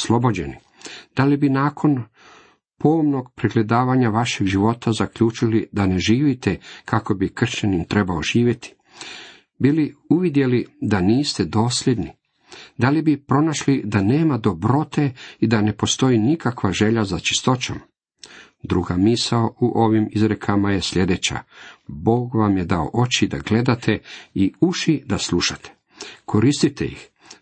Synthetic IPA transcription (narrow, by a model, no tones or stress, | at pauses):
slˠo̞bo̞d͡ʑe̞ni | d̪̥alibinaːkʰo̞n | pomnoɡ̚pɾiɡle̞d̪aːʋaɲaʋaʃe̞ɡʒiʋo̞t̪azakʎuːt͡ʃilid̪ane̞ʒiːʋit̪e̞kako̞bikr̩ʃɲanimt̪ɾe̞baoʒ̥iːʋjet̪ʰi̥ | biliuʋid̪je̞lid̪aniːst̪e̞d̪o̞ːsʎe̞d̪ni | d̪alibipɾo̞naʃlid̪aneːmad̪o̞bɾo̞t̪e̞id̪ane̞po̞st̪o̞inikakʋaʒe̞ʎazat͡ʃi̥st̪o̞t͡ɕo̞̰m | d̪ɾuɡamisaouʔo̞ʋimizɾekʰamajesʎe̞d̪e̞t͡ɕa̰bo̞ːɡʋamje̞d̪ao̰ʔo̞t͡ɕid̪a̰ɡle̞d̪at̪ʰe̞iuʃid̪asluʃat̪ʰe̥ | kʰo̞ɾist̪it̪ḛjḭx